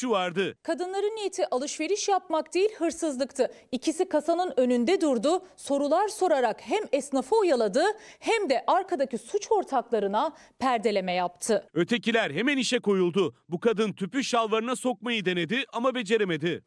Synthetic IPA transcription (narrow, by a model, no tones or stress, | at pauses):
ʃuvaɾd̪ɯkʰad̪ɯnlˠaɾɯnijet̪ʰiʔalˠɯʃve̞ɾiʃjap̚makd̪ejilʲɦɯɾsɯzlˠɯkt̪ʰɯicʰisikʰasanɯnø̞nynd̪ɛd̪uɾd̪ʊso̞ɾulˠaɾso̞ɾaɾakhæmɛsnafoːjalˠad̪ɯhæmd̪ɛʔaɾkʰad̪acisut͡ʃʰo̞ɾt̪ʰaklˠaɾɯna | pʰæɾd̪e̞lʲe̞mɛjap̚t̪ʰɯø̞t̪ʰe̞cilʲæɾɦemæniʃɛko̞julˠd̪ʊbukad̪ɯnt̪ʰypyʃalˠvaɾɯnaso̞kmajɯd̪e̞ne̞d̪ɪʔamabe̞d͡ʒe̞ɾeme̞d̪ɪ